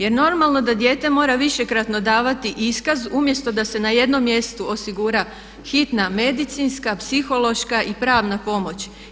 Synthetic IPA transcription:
je̞ɾno̞ɾmalˠno̞d̪ad̪je̞ːt̪e̞mo̞ːɾaʋiʃe̞kɾat̪no̞d̪aːʋat̪iʔiskazumje̞st̪o̞d̪ase̞naje̞d̪no̞mːje̞st̪uo̞siɡuɾa | xit̪name̞d̪it̪sinskapsixo̞lo̞ʃkaʔipɾaːʋnapo̞mo̞t͡ɕ

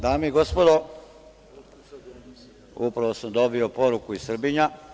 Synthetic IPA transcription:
d̪aːmeiɡo̞spod̪o | upɾaʋosamd̪o̞bio̞poɾukuisr̩biɲa

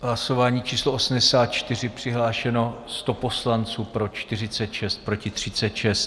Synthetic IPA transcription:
ɦlaso̞vaːɲiːt͡ʃiːsloʔosm̩dɛsaːt̪̚t͡ʃt̪ɪr̝ɪpr̝̥ɪɦlaːʃɛno̞st̪o̞po̞slant͡suːpɾo̞t͡ʃt̪ɪrɪt͡sɛt̪ʃɛst̪̚pɾocɪt̪r̝̥ɪt͡sɛt̪ʃɛst̪

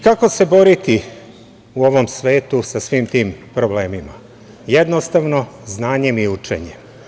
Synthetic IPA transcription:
kako̞se̞bo̞ɾit̪i | uo̞ʋo̞msʋe̞ːt̪usasʋiːmt̪iːmpɾo̞ble̞ːmima | jed̪nost̪aʋno̞znaːɲe̞miut͡ʃḛɲem

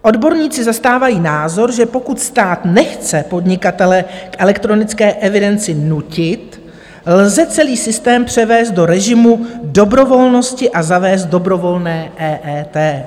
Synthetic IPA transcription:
ʔo̞dbo̞ɾɲiːt͡sɪzast̪aːvajiːnaːzo̞ɾʒɛpo̞kut̪st̪aːt̪nɛxt͡sɛpo̞dɲɪkat̪ɛlɛkʔɛlɛkt̪ɾo̞nɪt͡skɛːʔɛvɪdɛnt͡sɪnucɪt̪ | lzɛt͡sɛliːsɪst̪ɛːmpr̝̥ɛvɛːst̪do̞ɾɛʒɪmudo̞bɾo̞vo̞lno̞scɪʔazavɛːst̪̚do̞bɾo̞vo̞lnɛːʔɛːʔɛːt̪ɛː

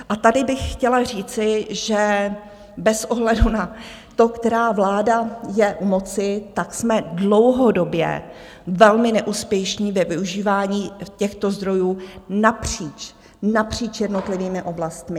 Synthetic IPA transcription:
ʔat̪adɪbɪxxcɛlar̝iːt͡sɪʒɛ | bɛsʔoɦlɛduna | t̪o̞kt̪ɛɾaːvlaːdajɛʔmo̞t͡sɪt̪aksmɛdlo̞wɦodo̞bjɛ̰ | vɛlmɪnɛʔuːspjɛʃɲiːvɛvɪuʒiːvaːɲiːcɛxt̪ozd̪ɾo̞juːnapr̝̥iːt͡ʃ | napr̝̥iːt͡ʃjɛdnot̪lɪviːmɪʔo̞blast̪mɪ

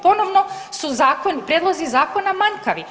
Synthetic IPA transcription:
ponɔvnɔsuzaːkonipɾed̪lˠozizaːkonamaɲkaʋi

